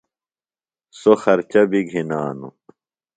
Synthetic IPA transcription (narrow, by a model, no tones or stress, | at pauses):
soxɐɾt͡ɕɐbiɡʱinaːnṵ